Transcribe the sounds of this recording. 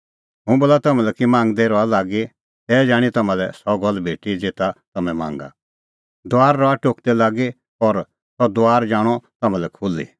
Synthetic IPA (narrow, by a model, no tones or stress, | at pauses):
ɦũboːlat̪ɐmɛ̃lɛkimãːŋɡd̪eɾɔalaːɡi | ɛːd͡ʒaːɽ̃it̪ɐmãlɛsɔɡɔlːbʱeːʈid͡zet̪at̪ɐmɛ̃mã̰ːŋɡa̰ | d̪ʊaːɾːɔaʈoːkd̪ɛlaːɡi | ɔɾ | sɔd̪ʊaːɾd͡ʒaːɽ̃ɔt̪ɐmãlɛkʰulḭ